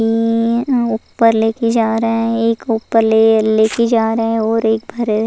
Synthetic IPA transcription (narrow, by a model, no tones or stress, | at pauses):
i | ʊpːəɾleːked͡ʒaːɾəɦɛ̃eːkupːəɾleleːked͡ʒaːɾəɦɛ̃ɔːɾeːk̚bʱɐɾ